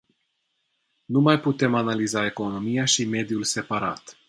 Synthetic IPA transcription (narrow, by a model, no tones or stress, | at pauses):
numajput̪e̞manalizae̞ko̞no̞mijaʃime̞d̪julse̞paɾat̪